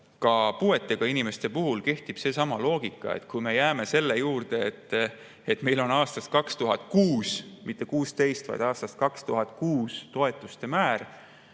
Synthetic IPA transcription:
kɑpue̞t̪ːˑe̞ɡ̥ɑinime̞st̪e̞puɦulke̞ht̪ib̥se̞sɑmɑlo̞ːɡ̥ikˑːɑ̰ḛt̪ːˑkujme̞jæːme̞se̞lːejuːrd̪̥e̞ːt̪ːˑ | et̪ːˑme̞jlo̞nɑːst̪ɑst̪̚kɑkst̪uɦɑt̪̚kuːsmit̪ˑːe̞kuːst̪e̞jst̪vɑ̰jd̪ɑːst̪ɑst̪̚kɑkst̪uɦɑt̪ˑkuːst̪o̞e̞t̪ːˑust̪e̞mæːr

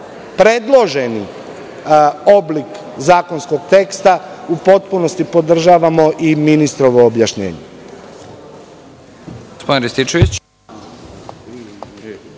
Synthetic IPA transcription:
pɾe̞d̪lˠo̞ʒe̞ni | o̞blik | zaːko̞nsko̞ɡt̪e̞kst̪aupo̞t̪̚puno̞st̪ipo̞d̪r̩ʒaːʋamo̞ʔiminist̪ɾo̞ʋo̞ːbjaʃɲe̞̰ːɲe | ɡospd̪nɾist̪it͡ʃeʋit͡ɕ

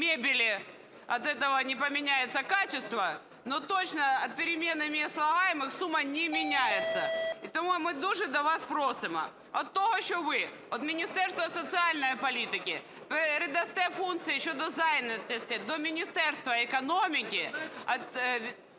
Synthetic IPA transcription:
mʲebʲɪlʲɪ | ɐt̪ɛt̪əʋɐnʲɪpɐmʲɪnʲæjɪt̪səkat͡ɕɪst̪vɐ | not̪ot͡ɕnɐɐt̪̚pʲɪɾʲɪmʲe̞nːɨmʲɪɐslˠɐɣajɪmɨxsumːɐnʲɪmʲɪnʲæjɪt̪sɐɪt̪ɐmumɨd̪uʐɨd̪ɐʋaspɾosɨmɐ̰ | ot̪ːoɦəɪɕːovɨ | ot̪mʲɪnʲɪst̪ɛrst̪vɐsət̪sɨalʲnəjpɐlʲit̪ʲɪkʲɪ | pɾʲɪd̪ɐst̪ɛfunk̪sɨjɪɕːod̪ɐzajɪnɐt̪ʲesʲt̪ʲɛd̪omʲɪnʲɪst̪ɛrst̪vɐɪkɐnomʲɪkʲɪɐt̪ʲ

